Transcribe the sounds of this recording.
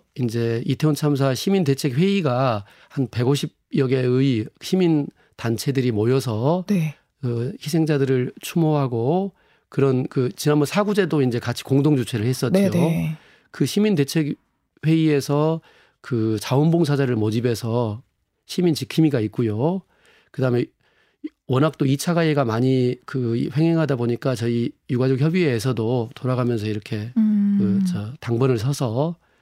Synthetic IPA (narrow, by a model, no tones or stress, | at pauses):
ind͡ʑe̞itʰeont͡ɕʰams̬ʰaɕʰiminde̞t͡ɕʰe̞k̚ɸwe̞iɡa | hanpe̞ɡoɕ̬ʰib̚jʌɡe̞ɯiɕʰimin | tant͡ɕʰe̞dɯɾimojʌs̬ʰʌe | ʌçis̬ʰe̞ŋd͡ʑadɯɾɯɭt͡ɕʰumoɦaɡo | kɯɾʌnkɯt͡ɕinanbʌnsʰaɡud͡ʑe̞doind͡ʑe̞kat͡ɕʰi̥koŋdoŋd͡ʑut͡ɕʰe̞ɾɯɭhe̞s͈ʌjo | kɯɕʰiminde̞t͡ɕʰe̞k | we̞ie̞sʰʌ | kɯt͡ɕaonboŋsʰad͡ʑaɾɯɭmʌd͡ʑibe̞sʰʌ | ɕʰimint͡ɕikʰimiɡait̚k͈ujo | kɯdaɦɯme̞ | wʌnɦak̚t͈oit͡ɕʰaɡaeɡamaɲikɯɸwe̞ŋɦe̞ŋɦadaboɲik͈at͡ɕʌijuɡad͡ʑʌk̚çjʌbieːs̬ʰʌdotoɾaɡamjʌns̬ʰʌiɾʌkʰe̞kɯt͡ɕʌtaŋbʌnɯɭs̬ʰʌsʰʌ